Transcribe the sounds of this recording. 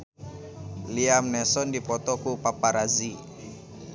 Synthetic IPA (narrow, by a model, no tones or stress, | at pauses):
liamnɛsɔndipɔt̪ɔkupapaɾazi